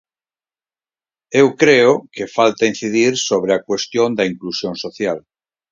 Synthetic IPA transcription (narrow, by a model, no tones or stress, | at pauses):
ewkɾeokefalt̪ain̟θiðiɾsoβ̞ɾeakwest̪jond̪ɐiŋklusjõŋsoθjal